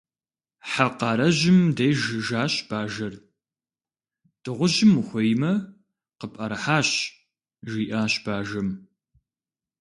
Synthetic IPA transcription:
ħaqɑːɾɐʑɪmdɐjʒɨʒaːɕb̥aːʒɐr | d̥ɨʁʷʊʒɪmxʷɐjmɐ | qəpʼɐɾħaːɕ | ʒiːʔaːɕb̥aːʒɐm

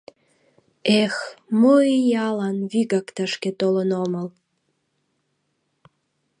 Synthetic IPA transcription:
exmoijɑlɑnβiɡɑkt̪əʃket̪olənoməl

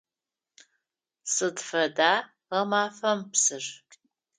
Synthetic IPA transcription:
sɨdfɐdaː | ʁɐmaːfɐmpsɨr

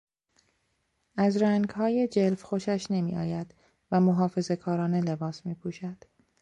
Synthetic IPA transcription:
ʔæzɾæŋɡhɒːje̞d͡ʒelfxoʃæʃne̞mḭːʔɒ̰ːjæd̪̥ | væmoɦɒːfe̞ze̞kʰɒːɾɒːne̞le̞bɒːsmiːpʰuːʃæd̪̥

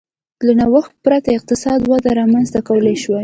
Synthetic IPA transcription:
lanawəxt̪̚pɾat̪aɪq̚t̪ɪsɑd̪wad̪aɾɑmanzt̪akawəlaʃwa

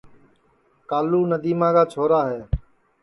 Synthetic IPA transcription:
kaːluːnəd̪iːmãːkaːt͡ʃʰoːɾaːɦeː

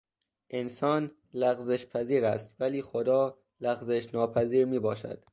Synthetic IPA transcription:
ʔensɒːn | læɣzeʃpʰæziːɾæst̪væliːxod̪ɒː | læɣzeʃnɒːpʰæziːɾmiːbɒːʃæ̰d̪̥

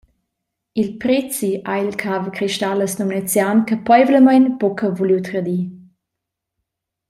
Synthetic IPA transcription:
ilpɾɛt͡siʔailkʰavkɾiʃtaləsnomnɛt͡sjankəpɔjvləmajnpɔkʰəvuliwt̪ɾad̪i

